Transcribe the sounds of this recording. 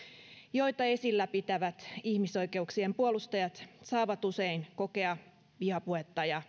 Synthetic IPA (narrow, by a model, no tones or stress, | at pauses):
jojt̪ɑe̞silːæpit̪æʋæt̪ihmiso̞ike̞uksiempuolust̪ɑjɑt̪sɑːʋɑt̪useinko̞ke̞ɑ | ʋihɑpuhet̪ːɑjɑ